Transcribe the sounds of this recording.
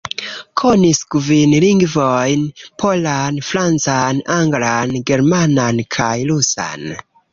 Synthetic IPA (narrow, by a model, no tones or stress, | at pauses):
kʰo̞niskvinliŋɡvojnpʰo̞lanfɾant͡sanaŋɡlanɡe̞ɾmanankʰajlusa̰n